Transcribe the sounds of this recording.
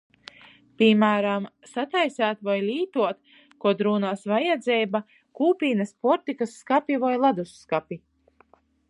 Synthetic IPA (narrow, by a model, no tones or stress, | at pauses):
pʲimæːɾam | sat̪ajsæːt̪vajlʲiːt̪uɔt̪ | kuɔd̪ɾuːnaːsvajɛd̪zɛjba | kuːpʲiːnɐspɔɾt̪ikasːkapivajlˠad̪usːkapʲi